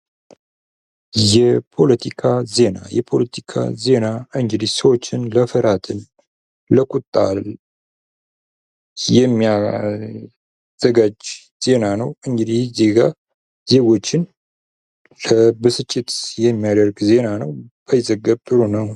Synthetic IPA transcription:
jɛpʰo̞lət̪ʰikʰaze̞na̰jɛpʰo̞lət̪ʰi̥kʰa̰ze̞naɨŋɡɨd̪isəwo̞t͡ʃːɪnləfəɾat̪ʰɨn | ləkʼut̪ʼːa̰l | jɛmːia | z̥əɡad͡ʒ | z̥e̞nanəwɨŋɡɨd̪ihze̞ɡa | z̥e̞ɡo̞t͡ʃːɪn | ləbɨsɨt͡ʃʼːɪt̪jɛmːijad̪əɾɡze̞nanəwb̥əjɪzəɡːəβt̪ʼɨɾunəw

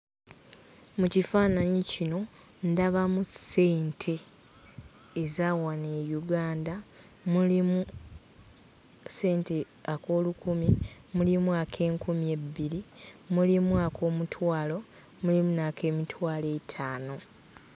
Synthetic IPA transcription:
mucifaːnaɲicino̞ | ndaβamuse̞ːntʰe̞ | zawaneːjuɡaːnda | mulimu | se̞ːnte̞ | ako̞ːlukumi | mulimuakʰe̞ːŋkumije̞bːiɾimulimuakʰo̞ːmutʰwaːlo̞ | mulimunakʰe̞ːmitʰwaːle̞ːtʰaːno̞

